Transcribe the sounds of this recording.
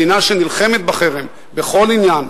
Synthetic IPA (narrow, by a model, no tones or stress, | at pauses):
inaʃenilχemet̪̚baχeʁem | beχo̞linjan